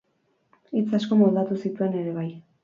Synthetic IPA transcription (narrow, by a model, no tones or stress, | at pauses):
it͡sasko̞mold̪at̪usit̪ue̞ne̞ɾe̞β̞aj